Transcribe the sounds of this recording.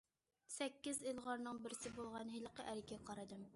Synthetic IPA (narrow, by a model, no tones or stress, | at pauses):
sɛkʲːɪzilˠʁɑɾnɨŋbɪɾsɪbolˠʁɑnɦilˠəqəʔæɾɪkʲɛqʰɑɾɨd̪ɨm